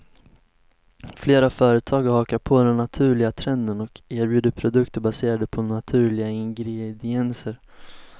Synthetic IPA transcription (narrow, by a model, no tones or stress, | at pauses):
fleːɾafœːɾət̪ʰɑːɡɾhɑːkaɾpʰoːd̪ɛnːat̪ʰʉ̟ːɭɪɡat̪ʰɾɛnd̪ənɔkeːɾbjʉ̟ːd̪əɾpʰɾʊd̪ɵkt̪əɾbaseːɾad̪əpʰɔnat̪ʰʉ̟ːɭɪɡaɪŋɡɾɛd̪ɪɛnsəɾ